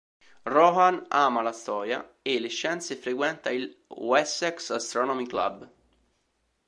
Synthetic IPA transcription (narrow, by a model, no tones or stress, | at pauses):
rɔɦanaːmalast̪ɔːɾja̰ | elːeʃːɛnt̪sefɾekwɛnt̪ailwɛsɛksast̪ɾɔnɔmikla̰b